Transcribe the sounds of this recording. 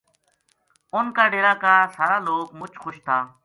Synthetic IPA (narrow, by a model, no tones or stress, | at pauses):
ʊnkaːɖeːɾaːkaːsaːɾaːloːɡmʊt͡ʃxʊʃt̪ʰaː